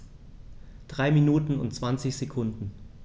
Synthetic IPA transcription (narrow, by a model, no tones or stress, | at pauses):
d̥ʁaɪminuːtn̩ʊ̰ntt͡sv̥ant͡sɪçz̥ekʰʊndn̩